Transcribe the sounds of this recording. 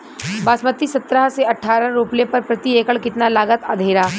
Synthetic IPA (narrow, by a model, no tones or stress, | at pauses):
baːsmət̪ːisɐt̪ɾəɦseɐʈʰːaːɾə̃ɾuplepɐɾpɾɐt̪ieːkəɭkɪt̪nalaːɡət̪aːd̪ʱeːɾaː